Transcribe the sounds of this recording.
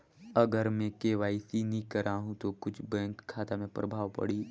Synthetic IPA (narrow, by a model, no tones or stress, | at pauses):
ɐɡəɾmẽkeːʋaːisinĩkəɾʔaːɦũt̪okʊt͡ʃʰbẽːnt̪kʰaːt̪amẽpɾʔəbʱaːʋpɐ̰ɽiː